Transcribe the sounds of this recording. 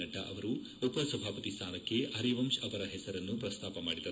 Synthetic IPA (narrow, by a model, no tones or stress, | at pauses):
ɐʈːɐʔɐʋɐɾu | upɐsɐbʱaːpɐt̪ist̪ʰaːnɐkːe̞hɐɾiʋɐmʂɐpɐɾɐɦɛsɐɾɐnːupɾɐst̪ʰaːpɐmaːɽid̪ɐ